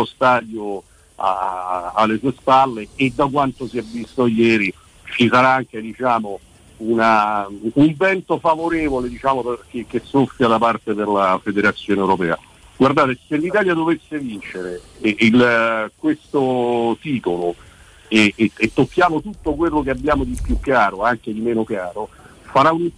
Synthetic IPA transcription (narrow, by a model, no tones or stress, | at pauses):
ost̪aːd̪jo | a̰ːlːesuːespalːeːd̪ːak̬want̪osiɛvːist̪ojɛːɾi | t͡ʃisaɾaaŋk̟ed̪it͡ʃaːmo | unauɱvɛnt̪ofavoɾeːvoled̪it͡ʃaːmokek̟ːesːofːjad̪apart̪eperlafed̪eɾat̪sːjoːneɛwɾopɛ̰ːa̰ | ɡward̪aːt̪eselːit̪aːljad̪ovesːevint͡ʃeɾeilkwest̪ot̪iːt̪olo | eːt̪ːokːjaːmot̪ut̪ːok̬welːokeabːjaːmod̪ipjukːaːɾoaŋk̟ed̪imɛːnokaːɾo | faɾaun